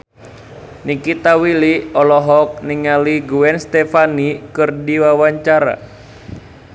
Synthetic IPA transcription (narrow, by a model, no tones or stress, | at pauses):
nikit̪awiliɔlɔɦɔk̚niŋaliɡuɛnst̪ɛfanikɨrdiwawaɲt͡ʃaɾa̰